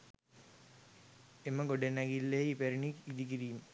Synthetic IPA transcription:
eməɡoɖenːæɡilːeipeɾiniid̪ik̬iɾiːmə

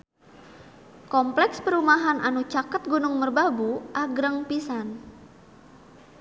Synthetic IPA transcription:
kɔmplɛkspəɾumaɦanʔanut͡ʃakət̪̚ɡunʊŋmərbabuʔaɡɾəŋpisan

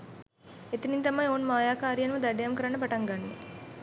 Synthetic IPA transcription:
et̪inint̪ɐmɐjoːnmaːjaːkaːɾijɐnʋɐd̪ɐɖejamkəɾɐnːəpɐʈɐŋɡanːḛ

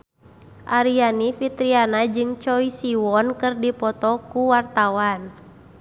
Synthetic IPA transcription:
ʔaɾianifit̪ɾianad͡ʒɨŋt͡ʃɔisiwɔnkɨrdipɔt̪ɔkuwart̪awan

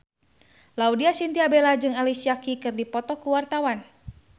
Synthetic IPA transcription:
laudiasint̪iabelad͡ʒɨŋalisiakikɨrdipɔt̪ɔkuwart̪awan

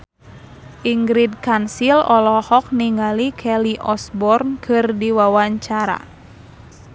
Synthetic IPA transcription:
ʔiŋɡɾid̚kansilɔlɔhɔk̚niŋalikʰɛliʔɔsbɔrnkʰɨrdiwawaɲt͡ʃaɾa̰

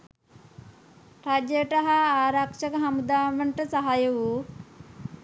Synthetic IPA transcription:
ɾad͡ʒjəʈaɦaaːɾakʂəkəɦamud̪aːʋəɳʈəsaɦajəʋu

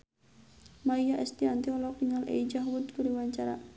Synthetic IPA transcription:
maijaʔɛst̪iant̪iɔlɔkiŋalɛ̰id͡ʒaɦwud̪kuɾiwaɲt͡ʃaɾa̰

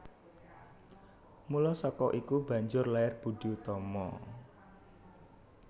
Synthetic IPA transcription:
mulɔsɔkɔʔikub̥ä̤ɲd͡ʒʊrlaɪrb̥uɖ̥ut̪ɔmɔ

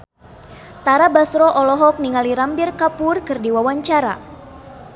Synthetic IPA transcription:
t̪aɾabasɾɔʔɔlɔɦɔk̚niŋaliɾampirkapʊrkɨrdiwawaɲt͡ʃaɾa̰

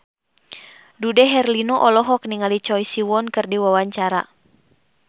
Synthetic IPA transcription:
dudɛɦɛrlinɔʔɔlɔɦɔk̚niŋalit͡ʃɔjsiwɔnkɨrdiwawaɲt͡ʃaɾa̰

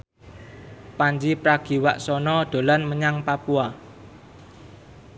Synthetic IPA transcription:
paɲd͡ʒipɾaɡ̥i̤wa̰ʔsɔnɔɖ̪̥o̤lanməɲaŋpapua

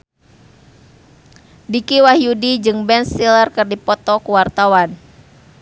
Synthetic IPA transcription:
dikiwahjudid͡ʒɨŋbɛnsilərkɨrdipɔt̪ɔkuwart̪awan

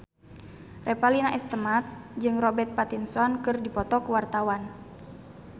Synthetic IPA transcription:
rʔɛpalinaʔɛst̪əmat̪̚d͡ʒɨŋrɔbɛt̪̚pat̪insɔnkɨrdipɔt̪ɔkəwart̪awan

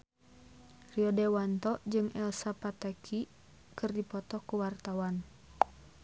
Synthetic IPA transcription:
riɔdɛwant̪ɔd͡ʒɨŋʔɛlsapat̪akʰi | kɨrdipɔt̪ɔkuwart̪awan

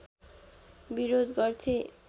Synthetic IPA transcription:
biɾod̪ɡɔɾt̪ʰe

